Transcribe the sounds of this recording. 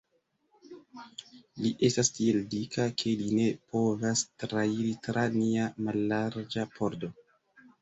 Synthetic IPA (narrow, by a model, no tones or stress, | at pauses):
liʔe̞stastie̞ldikakʰe̞line̞po̞vastɾaiɾitɾaniamalːaɾd͡ʒapʰo̞ɾdo̞